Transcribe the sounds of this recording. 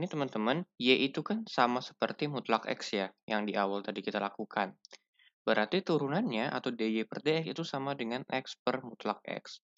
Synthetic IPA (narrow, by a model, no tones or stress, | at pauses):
nit̪əmənt̪əmənjeʔit̪ukansamasə̥pərt̪imut̪lakɛ̰ksjajaŋdiʔawalt̪adikit̪alakukʰan | b̥əɾart̪it̪uɾunanɲaʔa̰t̪awdejepərdeɛkit̪usamadəŋanɛ̰kspərmut̪lak̚ɛ̰ks